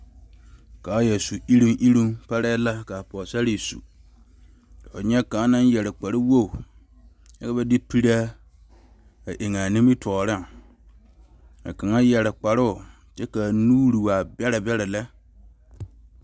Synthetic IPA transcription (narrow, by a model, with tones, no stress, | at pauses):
kaː˨˦jɛ˨su˨ʔi˦ɾi˦ŋʔi˦ɾi˦ŋpa˦ɾɛ˦la˦ka˨pɔː˨sa˦ɾi˦˨sṵ˨ | o˨ɲɛ˦ka˨˦nã˦njɛ˨lɾɪ˨k͡pa˨ɾɪ˦wo˦˨ | a˦ka˦bɛ˦di˦pi˦ɾa˦ | a˨ʔe˨ŋa˨nĩ˦mi˦tʰɔː˨ɾɪ˦˨ŋ | a̰˨ka˨ŋa˦jɛ˨ɾɪ˨k͡pa˨ɾʊ˦ʊ˨ | t͡ʃɛ˦ka˨nuː˦ɾi˨wa˨bɛ˦ɾa˨bɛ˦ɾa˨la˦